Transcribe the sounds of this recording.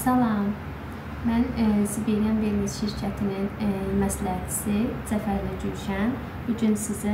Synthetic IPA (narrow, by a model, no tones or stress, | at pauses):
sɑlˠɑm | mænsibiɾijanbeɾimiz̥ʃiɾcʰæt̪ʰininmæslæhæt͡ʃʰi̥siz̥æfæɾlæɟyɾyʃæn | b̥uɟynsizæ